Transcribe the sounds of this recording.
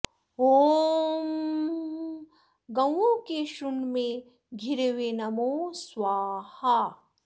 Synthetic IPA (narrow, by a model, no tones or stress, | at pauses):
oːm | ɡɐ̃wokeʃunmẽ | ɡʱiɾeʋenɐmosʋaːha